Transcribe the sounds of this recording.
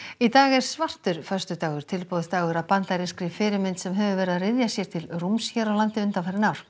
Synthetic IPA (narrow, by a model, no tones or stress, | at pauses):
it̪aːɣɛɾ̥svar̥t̪ʏɾ̥fœ̥st̪ʏt̪aːɣʏɾ̥t̪ʰɪlpoːwðʏ̥st̪aːɣʏɾapant̪laɾɪskɾɪfɪːɾɪmɪnt̪sɛmɦɛvʏvɛːɾɪðarɪðjasjɛɾ̥t̪ʰɪlrumsçɛɾawlant̪ɪʏnt̪afajɾɪnawɾ̥